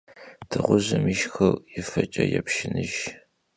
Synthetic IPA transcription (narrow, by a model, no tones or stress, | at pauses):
dʰɨʁʷʊʑɐmiʃxɐrjɪfɐt͡ʃʼɐjɛpʃɪnɨʒ